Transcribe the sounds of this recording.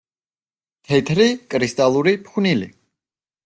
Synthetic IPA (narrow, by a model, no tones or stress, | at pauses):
t̪ʰɛt̪ʰɾikʼɾist̪ʼalˠuɾipʰχwnilḭ